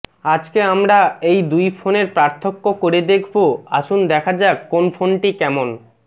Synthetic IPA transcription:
ad͡ʑkeamɾaejd̪ujfʰoneɾpɾaɾt̪ʰːokːokoɾed̪ekʰboa̰ʃund̪ɛkʰad͡ʑakonfʰonʈikɛmon

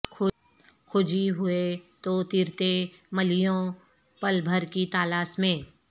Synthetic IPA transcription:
kʰ | kʰoːd͡ʒiɦʊet̪ot̪iːɾt̪eməlijõ | pəlbʱəɾkit̪aːlaːsmẽː

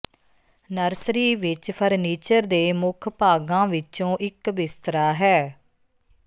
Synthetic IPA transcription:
nəɾsɾiːʋɪt͡ʃpʰəɾniːt͡ʃəɾd̪eːmʊkʰpaːɡãːʋɪt͡ʃõːʔɪkbɪst̪əɾaːɦɛː

